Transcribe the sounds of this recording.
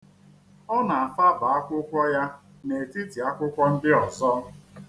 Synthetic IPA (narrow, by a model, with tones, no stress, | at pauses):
ɔ˦na˨a˨fa˦ba˨a˦kʷʊ˦kʷɔ˦ja˦ | ne˨ti˦ti˨a˦kʷʊ˦kʷɔ˦n̩˦dɪ˦ɔ˨zɔ˦